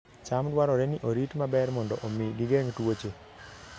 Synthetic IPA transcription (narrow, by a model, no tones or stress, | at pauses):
t͡ʃamdwaɾɔɾeniʔoɾitmabɛrmɔndɔʔomiɡɪɡeŋtwot͡ʃe